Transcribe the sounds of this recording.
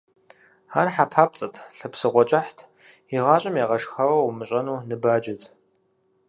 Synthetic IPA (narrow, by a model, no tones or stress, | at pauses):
aːrħapʰaːp̚t͡sʼɐtʰɬɨpsɨʁʷɔt͡ʃʼaħtʰ | iʁɑːɕʼɐmjaːʁɐʂxɐwɐwmɨɕʼɐnuːnɨbaːd͡ʒɪtʰ